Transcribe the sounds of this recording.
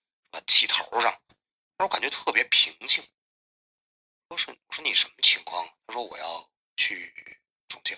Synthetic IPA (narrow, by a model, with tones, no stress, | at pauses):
ʂ̩˥˩bə˨˩t͡ɕʰi˥˩t̪ʰo̰˧˥ʊʂɑ˥˩ŋ | a˥˧˥ka˨˩nt͡ɕɥɛ˧˥t̪ʰɤ˥˩pjɛ˧˥pʰi˧˥ŋt͡ɕʰi˥˩ŋ˥ | ʂwɔ˥ʂ̩˥˩wʂwɔ˥ni˨˩ʂə˧˥nmə˧t͡ɕʰi˧˥ŋkʰwɑ̰˥˩ŋ˩t̪ʰa˥ʂwɔ˥wɔ̰˨˩jɑ˥˩ʊ | t͡ɕʰy˥˩ | ʈ͡ʂʰʊ˨˧˩ŋɕʰi˥˩